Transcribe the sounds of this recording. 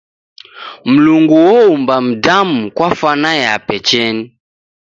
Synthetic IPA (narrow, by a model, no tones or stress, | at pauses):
m̩luŋɡuwɔumbam̩damukwafanajapɛt͡ʃɛni